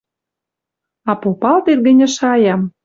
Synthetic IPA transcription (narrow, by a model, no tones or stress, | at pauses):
ɑpopɑlt̪erɡə̆nʲə̆ʃɑjɑm